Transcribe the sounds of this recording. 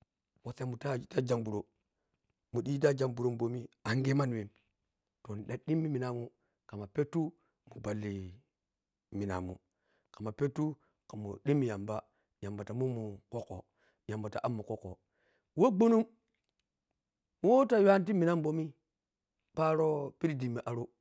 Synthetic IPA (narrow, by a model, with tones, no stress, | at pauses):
wo˨sa˨mu˨ta˦ta˦d͡ʒa˨ŋbu˨ɾo˨ | mu˨ɗi˦i˦ta˦d͡ʒa˨ŋbu˨ɾo˦mbo˨mi˦a˨ŋɡe˦ma˦n˨we˨m | to˨n˨ɗa˨ɗi˦mːi˦mi˨na˨mu˦ | ka˨ma˨pe˦tːu˦ | mu˨ba˨lːi˨ | mi˨na̰˨mṵ˨ | ka˨ma˨pe˦tːu˦ | ka˨mṵ˨ɗi˦mːi˨ja˨mba˦ | ja˨mba˨ta˨mu˦mu˨ko˦ko̰˨ | ja˨mba˨ta˨ʔa˦mːu˨ko˦ko̰˨ | wo˦ɡ͡bo˦nu˦m | mu˦wo˦ta˨jwa˦n˦t̬i˦mi˨na˦mbo˦mi˦ | pa˦ɾo˦pi˦ɾi˦di˨mːi˨ʔa˨ɾo˦